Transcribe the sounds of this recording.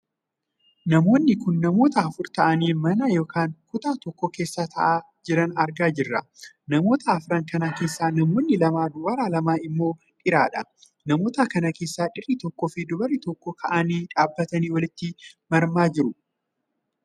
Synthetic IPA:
nɐmo̞ːnːɪkʊnːɐmo̞ːt̪ɐɐfʊɾt̪ɐʔɐniːmɐnɐjo̞ːkaːŋkʊt̪aːt̪ɔkːɔke̞ːsːaːt̪ʰɐ̰ʔaː | d͡ʒɪɾɐnɐɾɡaːd͡ʒɪrːɐ | nɐmo̞ːt̪ʰɐɐfɾɐŋkɐnake̞ːsːaːnɐmo̞ːnːɪlɐmaːd̪ʊbɐɾaːlɐmaːɪmːo̞ː | ᶑɪɾaːᶑɐ | nɐmo̞ːt̪akɐnɐke̞ːsːaːᶑɪrɪt̪ɔkːɔːfɪd̪ʊbɐrːɪt̪ɔkːɔkʰɐʔɐniːᶑaːbːɐt̪ɐniːwɐlɪt̪ːɪmɐɾmaːd͡ʒɪɾʊ

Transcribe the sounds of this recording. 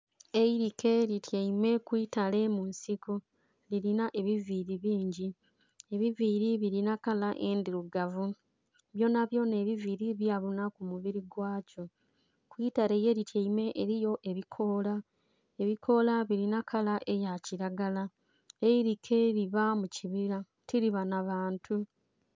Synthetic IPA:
eiɾikʰe̞ɾitjaime̞kwiːtale̞munsiku | liɾinaʔe̞βiviɾiβiːɲɟi | e̞βiviɾiβiɾinakalaʔe̞ːndiɾuɡavu | βjo̞naβjo̞ːne̞ːβiviɾiβjaβunakumuβiɾiɡwaːco̞ | kwitaɾe̞jeɾitʰaime̞ʔeɾijo̞ʔe̞βikʰo̞ːla | e̞βikʰo̞laβiɾinakʰalaʔe̞jaciɾaɡala | eiɾikʰe̞ɾiβamuciβiɾa | tʰiɾiβanaβaːntʰu

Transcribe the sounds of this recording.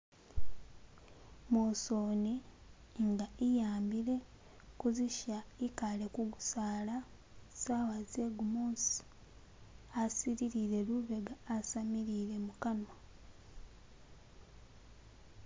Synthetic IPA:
mosoːne | ŋɡaʔijaːmbiɾe̞ | kuziʃaikalekuɡusaːla | sawazeɡumoːs | asiɾiɾiɾe̞luβeɡaːsamiɾiɾe̞mukana

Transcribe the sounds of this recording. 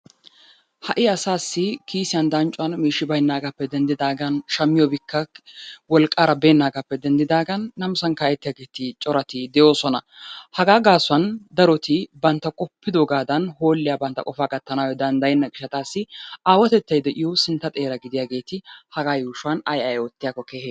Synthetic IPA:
hɐʔɪɐsaːsːɪkʰiːsɪjɐnd̪ɐnt͡ʃʼʊɐnmiːʃːɪbɐjnːaːɡɐpːɛd̪ɛnd̪ɪd̪aːɡɐnʃɐmːɪjɔbɪkːɐwɔlkʼːaːɾɐbeːnːaːɡɐpːɛd̪ɛnd̪ɪd̪aːɡɐnːɐmsɐnkaːjɛt̪ːɪjaːɡe̞ːt̪ɪt͡ʃʼɔɾɐt̪ɪd̪ɛjo̞ːsɔnɐhɐɡaːɡaːsʊɐnd̪ɐɾɔt̪ɪbɐnt̪ːɐkʼɔpːɪd̪oɡaːd̪ɐnho̞ːlːɪjaːbɐnt̪ːɐ̰kʼɔfaːkʼɐt̪ːɐnaːwɛd̪ɐnd̪ɐjɪnːɐɡɪʃɐt̪aːsːɪaːwɐt̪ɛt̪ːɐjd̪ɛʔɪjosɪnt̪ːɐt̪ʼe̞ːɾɐɡɪd̪ɪjaːɡe̞ːt̪ɪhɐɡaːjuːʃʊwɐnɐjɐjɔt̪ːɪjaːkːɔkeːheː

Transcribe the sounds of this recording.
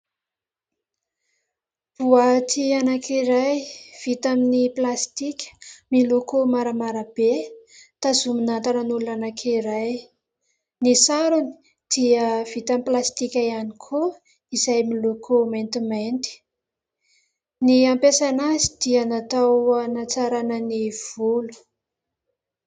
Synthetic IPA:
v̥uat̪ʰianakʰiɾajv̥it̪aminiplast̪ikʲə̥milokomaɾəmaɾəb̥et̪azuminant̪ananulunanakʰiɾaj | nisaɾuni̥ | d̪̥iəv̥it̪amiplast̪ikʲajanikʰo | izajmilokʰoment̪iment̪i̥ | niampesanazid̪̥ianat̪awanat͡saɾanəniv̥ulu̥

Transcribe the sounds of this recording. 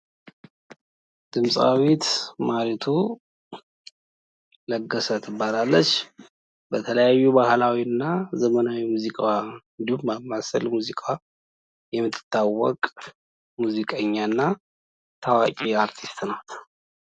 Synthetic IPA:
d̪̥ɨmsʼa̰wit̪maɾit̪ʰu | ləɡːəsət̪ʰɨbːalalːət͡ʃː | bət̪ʰələjajːubahlawiɨnːazəmənawimuzikʼaɨnd̪ihumːamasə̰lmuzikʼa | jɛmːɨt̪ʰːɨ̥t̪ʰːawːɔkʼ | muzikʼəɲːanːa | t̪ʰawakʼiaɾt̪ʰist̪nəwt̪

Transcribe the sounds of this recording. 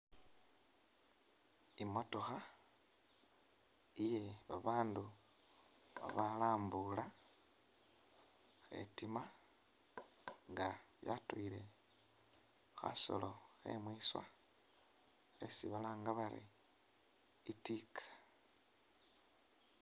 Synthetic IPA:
imo̞to̞xa | ije̞βaβaːndu | βa̰βalaːmbula | xe̞̰tima | ŋɡaja̰tuile̞ | xa̰so̞̰lo̞xe̞̰mwiswa̰ | xḛsiβalaːŋɡaβaɾḭ | itikʰḁ

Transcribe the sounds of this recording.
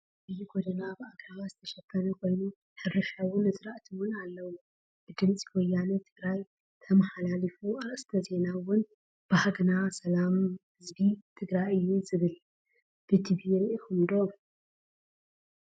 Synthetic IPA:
ʔɨjːuɡod̪ɐnabɨaɡɾaβazɨt̪ʰɐʃɐkʰːɐnɐkʰo̞jnu | ħɨrɨʃawʊnɨzɨɾaʔt̪ʰɨwʊnalːɐwu | b̥ɨd̪ɨmt͡sʼi̥ɡojːanɨt̪ʰɨɡɾaj | t̪ʰɐmaħalalifuaʔʼst̪ʰɐze̞nawʊn | b̥ahaɡnasɐlamhɨzbit̪ʰɨɡɾajɨjːuzɨβɨl | b̥ɨt̪ʰibiɾiʔɨxumd̪o

